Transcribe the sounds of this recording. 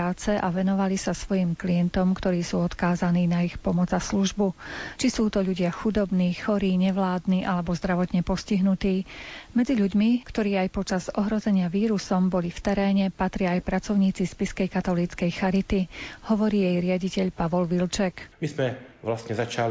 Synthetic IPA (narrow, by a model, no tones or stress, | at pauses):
aːt͡sɛʔaʋɛnɔʋalisasʋɔjiːmkliɛnt̪ɔmkt̪ɔɾiːsuːɔt̪kaːzaniːnaixpɔmɔd͡zasluʒbut͡ʃisuːt̪ɔʎuɟɪaxud̪ɔbniːxɔɾiːɲɛʋlaːd̪niʔalɛbɔzd̪ɾaʋɔt̪ɲɛpɔsciɦnut̪iːmɛd͡ziʎuɟmikt̪ɔɾiːajpɔt͡ʃazɔɦɾɔzɛɲɪaʋiːɾusɔmbɔlift̪ɛɾɛːɲɛpat̪ɾɪaːjpɾat͡sɔʊɲiːt͡sispiskɛjkat̪ɔliːt͡skɛjxaɾit̪ihɔʋɔɾiːjɛjɾɪaɟicɛʎpaʋɔlʋilt͡ʃɛkmizmɛʋlasɲɛzat͡ʃal